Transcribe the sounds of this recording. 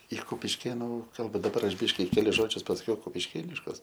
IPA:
ɪ kʊpʲɪʃʲˈkʲeːnʊ ˈkɐlˠbɐ dɐˈbɐr ˈɐʃ ˈbʲɪʃʲkʲɪ kʲɛˈlʲɪs ˈʒoːd͡ʒʲʊs pɐsɐˈkʲɛʊ kʊpʲɪʃʲˈkʲeːnʲɪʃkʊs

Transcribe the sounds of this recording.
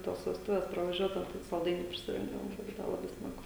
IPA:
ˈtoːs ʋʲɛsˈtʊʋʲɛs prɐʋɐˈʒʲuɔdɐʊ ˈtɐɪ sɐlˠˈdɐɪnʲuː pʲrʲɪsʲɪˈrʲɪŋɡdɐʋoːm ˈbuːdɐʋɐ lˠɐˈbɐɪ ˈsmɑːɡʊ

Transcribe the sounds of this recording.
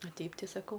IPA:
ɐ ˈtʲɛɪp ˈtɐɪ sɐˈkɐʊ

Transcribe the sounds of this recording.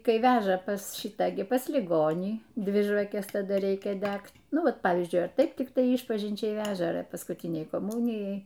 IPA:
ˈkɐɪ ˈʋʲæːʒɐ pɐs ˈʃʲɪtɑː ɡʲɪ pɐs lʲɪˈɡoːnʲiː ˈdʲʋʲɪ ʒʋɐˈkʲɛs tɐˈdɐ ˈrʲɛɪkʲɛ ˈdʲækt ˈnʊ ˈʋɐ ˈpɑːʋʲiːzʲd͡ʒʲʊɪ ɐr ˈtɐɪp tʲɪkˈtɐɪ ˈiːʃpɐʒʲɪnʲt͡ʃʲɛɪ ˈʋʲæːʒɐ ɐr pɐskuːˈtʲɪnʲɛɪ koːˈmuːnʲɪjɛɪ

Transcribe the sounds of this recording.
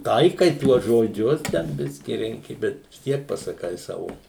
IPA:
ˈtɐɪkɐɪ ˈtuɔs ʒoːˈd͡ʒʲʊs ˈtʲɛn ˈbʲɪsʲkʲɪ ˈrʲɛŋʲkʲɪ ˈbʲɛt ʋʲɪs ˈtʲiɛk pɐsɐˈkɐɪ ˈsɑːʋoː

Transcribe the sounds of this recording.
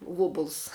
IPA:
ˈʋoːbʊlˠs

